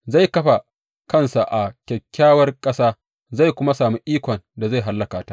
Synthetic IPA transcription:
za˦˨jkɐ˦ɸa˨ | kɐ˦nsa˨ʔa˨kʲɛ˨kʲːaː˦wɐ˦rkʼɐ˦saː˦ | za˦˨jkʷʊ˦ma˦saː˨mi˦ʔiː˦kʷɔ˨nda˨za˦˨jɦa˦lːɐ˦kaː˨ta˦ʔ

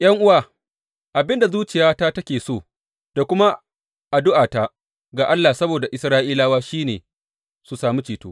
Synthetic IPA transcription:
j̰ɐ˦ŋʔʊ˦waː˨ | ʔa˨bɪ˦nda˨zuː˦t͡ʃɪ˨jaː˦ta˦tɐ˦kʲeː˨soː˦˨ | d̥a˨kʷʊ˦ma˦ | ʔa˨dʊ˦ʔaː˨ta˦ | ɡaː˨ʔa˦lːaː˨sɐ˦boː˨da˨ʔɪ˨˦sɾaː˦ʔiː˦laː˦waː˦ʃiː˦nḛː˨ | su˨saː˨mi˦t͡ʃiː˨to̰ː˦

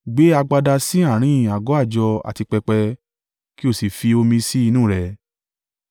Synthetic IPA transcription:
ɡ͡be˨˦a˧ɡ͡ba˧da˧si˦a˦˨ɾ̃ĩ˦˨a˨ɡɔ˨˦a˦˨d͡ʒɔ˧a̰˨ti˧k͡pɛ˧k͡pɛ˧ | ki˦o˦˨si˨fi˧o˧mĩ˧si˦i˧nũː˦˨ɾɛ˨

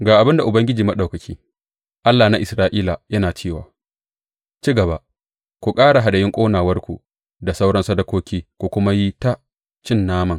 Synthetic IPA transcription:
ɡaː˨ʔa˨bɪ˦nda˨ʔʊ˨bɐ˦ŋɡʲɪ˦d͡ʒiː˨ma˦ɗa˨wkɐ˨kʲʰiː˦ | ʔa˦lːaː˨na˦ʔɪ˨sɾaː˦ʔiː˦la˨jɐ˦naː˨t͡ʃeː˦˨wa̰ː˨ | t͡ʃiː˦ɡɐ˨ba˦ | kʷu˨kʼaː˦ɽa˨ɦa˨dɐ˨jɪ˦ŋkʷʼoː˦naː˨wɐ˦rkʷu˨ | da˨sa˦wɽɐ˦nsa˦dɐ˦kʷoː˦kʲiː˦kʷu˨kʷʊ˦ma˦ji˦ta˦ | t͡ʃɪ˦˨nːaː˦mɐ˨ŋ

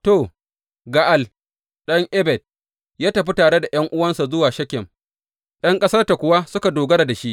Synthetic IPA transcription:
toː˨ | ɡa˦ʔa˦l | ɗɐ˦ŋʔɛ˦bɛ˨d̚ | jaː˦tɐ˨ɸi˦taː˨ɽe˦da˨j̰ɐ˦ŋʔʊ˦wɐ˦nsa˨zʊ˦waː˨ʃɐ˦kʲːɪ˨m | ɗɐ˦ŋkʼɐ˦sɐ˦rta˨kʷʊ˨wa˦sʊ˦ka˨doː˨ɡɐ˦ɾa˨da˨ʃi˦ʔ

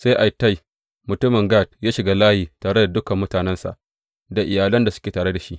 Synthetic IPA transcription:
sa˦ʔa˨jta˦˨j | mʊ˨tʊ˦mɪ˨ŋɡaː˦˨t̚jaː˦ʃɪ˨ɡaː˦laː˦hiː˨taː˨ɽe˦da˨dʊ˦kɐ˨mːʊ˦taː˨nɛ˦nsa̰˨ʔ | da˨ʔɪ˨jaː˨lɐ˦nda˨sʊ˦kʲeː˨taː˨ɽe˦da˨ʃi˦ʔ

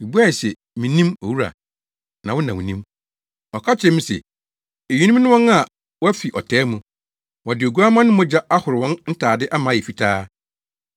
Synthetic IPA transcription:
i˨bu˦a˦˨sɛ˨ | mĩ˨nĩ˦mo̰˨wu˦ɾa̰˨ | nã˨wʊ̃˦nã˨wʊ̃˨nĩ˦m | ɔ˨kʰa˦t͡ɕʰɛ̃˦m̩̃˦sɛ̰˨ | e˨i˦nũ˦m˦nʊ̃˦wɔ̃˦na˨ | wɔ˦fi˨ʔɔ˨tʰɛː˨˦mũ˨ | wɔ̃˨dɪ˨o˨ɡu˦a˦mã˦nʊ̃˦mɔ̃˦d͡ʑa˦a˦hʊ˨ɾɪ˨wɔ̃˦nn̩˦tʰaː˨dɪ˦ʔa˦mãː˨˦˨ɛ˨fi˦tʰaː˦

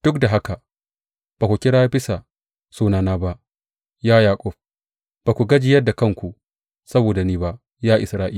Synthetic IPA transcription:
d̥ʊ˦k̚da˨ɦa˦ka˨ | b̥aː˨kʷu˨kʲɪ˦ɽaː˦jbɪ˦sa˨ | suː˦naː˨naː˦ba˦ʔ | jaː˦jaː˨kʷʼʊ˦˨ɸ̚ | b̥aː˨kʷu˨ɡɐ˦d͡ʒɪ˨jɐ˦dːa˨kɐ˦˨ŋkʷu˨ | sɐ˦boː˨da˨niː˦ba˦ʔ | jaː˦ʔɪ˨sɾaː˦ʔiː˦

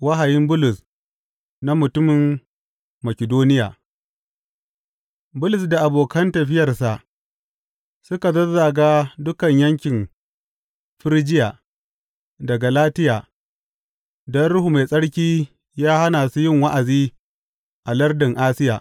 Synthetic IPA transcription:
wɐ˦ɦa˨jɪ˦mbʊ˦lʊ˨s | na˦mʊ˨tʊ˦mɪ˨mː | ɐ˨kʲɪ˨doː˦nɪ˦ja̰ː˨ | bʊ˦lʊ˨sda˨ʔa˨boː˨kɐ˦ntɐ˨ɸɪ˦jɐ˨rsa˨ʔ | sʊ˦ka˨zɐ˦rzaː˨ɡaː˦dʊ˦kɐ˨ɲjɐ˦ŋkʲɪ˨m | ɸɪ˦ɾd͡ʒɪ˦jaː˨ | dɐ˨ɡa˨laː˦tɪ˦jaː˨ | dɔ˦nɽʊ˦hu˨ma˨sʼɐ˦ɽkʲiː˦ | jaː˦ha˦naː˨su˦jɪ˦ŋwa˦ʔa˨ziː˦ | ʔa˨lɐ˦rdɪ˨ŋʔaː˦sɪ˦ja̰ː˨ʔ

